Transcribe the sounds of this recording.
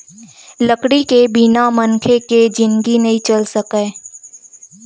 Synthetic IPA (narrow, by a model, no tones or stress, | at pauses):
ləkɽikebinamənkʰeked͡ʒɪ̃nɡinɐɦĩt͡ʃɐlsəkeː